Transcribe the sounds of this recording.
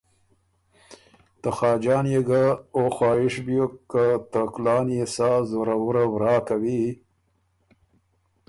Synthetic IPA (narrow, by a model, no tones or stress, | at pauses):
t̪axɑːd͡ʒɑːnjeɡaoxwɑːɪʂbjokːat̪aklɑːnjesɑzoɾawuɾawɾɑːkawi